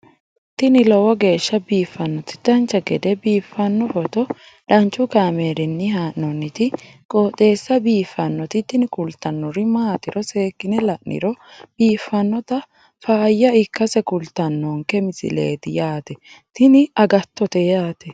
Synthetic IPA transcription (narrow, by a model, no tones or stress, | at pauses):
t̪ɪnɪlɔwɔɡe̞ːʃːɐbiːfːɐnːɔt̪ɪ̥d̪̥ɐnt͡ʃːɐɡɛd̪ɛbiːfːɐnːɔfɔt̪ɔ | ᶑɐnt͡ʃʼːʊkaːmeːɾɪnːɪhaːʔːɔnːɪt̪ɪ | kʼoːt̪ʼe̞ːsːɐbiːfːɐnːɔt̪ɪt̪ɪnɪkʊlt̪ɐnːɔɾɪmaːt̪ɪɾɔse̞ːkːɪnɛlɐʔʔɪ̰ɾɔb̥iːfːɐnːɔt̪ɐ | faːjːɐɪkːɐsɛkʊlt̪ɐnːɔŋkɛmɪsɪ̰lḛːt̪ɪjaːt̪ɛ | t̪ɪnɪɐɡɐt̪ːɔt̪ɛjaːt̪ɛ